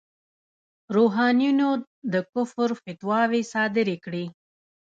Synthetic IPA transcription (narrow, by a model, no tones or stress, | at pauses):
ɾoɦɑnijuno | d̪əkʊfɾfɪt̪wɑwesɑd̪ɪɾekɽi